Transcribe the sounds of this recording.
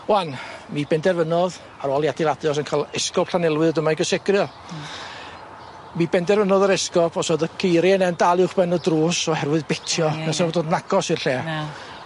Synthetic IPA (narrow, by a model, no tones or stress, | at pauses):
wanmibɛndɛrvənɔð | aɾɔlˠjadɪlˠadɨɔs̬ənkʰalˠɛskɔpʰɬanɛlˠwɨðdəmajɡəsɪɡrjɔ | mibɛndɛrvənɔðəɾɛskɔpʰɔsɔdəkʰeɾinɛndalˠɪwχbɛnɔdruːsɔhɛrwɨðbetʰjɔasɔdoːdnaɡ̥ɔsɪrɬeː